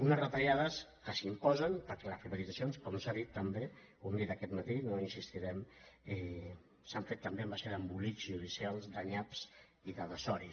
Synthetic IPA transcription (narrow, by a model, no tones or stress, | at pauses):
unəzrət̪aʎaðəskəsimpɔzənpəɾkɛləsriβəlid͡zasionskɔmosaðit̪ːəmbe | und̪iðəkɛt̪mət̪inoinsist̪iɾɛmɛ | saɱfet̪ːəmbeəmbaseðəmbulikzuðisialˠzd̪əɲaps | iðəðəsɔɾi